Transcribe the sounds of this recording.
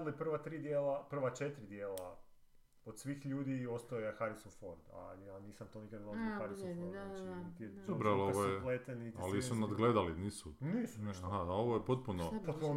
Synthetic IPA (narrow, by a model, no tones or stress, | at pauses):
laepr̩ʋat̪ɾiːd̪jeːlapr̩ʋat͡ʃet̪ɾid̪jeːla | od̪sʋiːxʎuːd̪io̞st̪aojexaɾisonfo̞ɾd̪a̰janiːsamt̪o̞nikad̪nosoxaɾisonfoɾd̪nat͡ʃit̪iet̪oɾloeojplet̪enit̪alisunad̪ɡled̪aliniːsuniːsunaɦaaoʋojepot̪̚punopot̪̚puno